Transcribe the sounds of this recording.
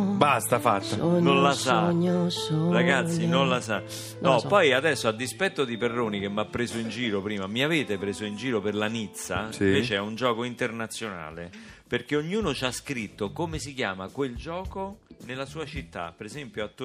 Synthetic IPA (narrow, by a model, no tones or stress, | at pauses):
bast̪afat̪ːanonlasaɲosɾaɡat̪sːinonlasa | nnɔpːɔjad̪ɛsːoad̪ːispɛt̪ːod̪iperːoːnik̟emːapːɾeːzoind͡ʒiːɾopɾiːmamiaveːt̪epɾeːzoind͡ʒiːɾoperlanit̪sːaiiveːt͡ʃeɛund͡ʒɔːkoint̪ernat̪sːjona̰ːleperkeoɲːuːnot͡ʃaskɾit̪ːokomesikjaːmakweld͡ʒɔːkonelasuːat͡ʃit̪ːa̰peɾezɛmpjoat̪ː